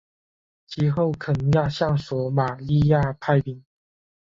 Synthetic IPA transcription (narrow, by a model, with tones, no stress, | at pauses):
t͡ɕʰi˧˥xo˥˩ʊkʰɤ˨˩nɤ˧˦ŋjɑ˥˧ʊɕjɑ˥˩ŋswɔ˨˥˦ma˨˩li˥˧ja˥˧pʰa˥˧ɪpi˨˩ŋ